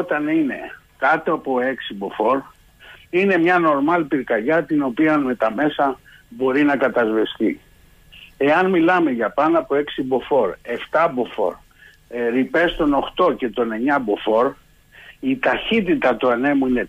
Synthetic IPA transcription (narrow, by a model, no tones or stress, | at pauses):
ot̪ɐnine̞ | kɐt̪oɐpoe̞ksibo̞fo̞ɾ | ine̞mɲɐno̞ɾmɐlpiɾkɐʎɐt̪ino̞piɐnme̞t̪ɐme̞sɐ | bo̞ɾinɐkɐt̪ɐzvest̪ḭ | e̞ɐnmilɐme̞ʝɐpɐnɐpoe̞ksibo̞fo̞ɾe̞ft̪ɐbo̞fo̞̰ɾ | ɾipe̞st̪o̞no̞xt̪o̞ce̞t̪o̞ne̞ɲɐbo̞fo̞ɾ | it̪ɐçit̪it̪ɐt̪uɐne̞muine